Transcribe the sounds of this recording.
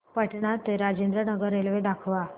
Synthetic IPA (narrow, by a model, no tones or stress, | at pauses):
pəʈɳat̪eɾad͡ʑend̪ɾənəɡəɾelʋed̪akʰʋa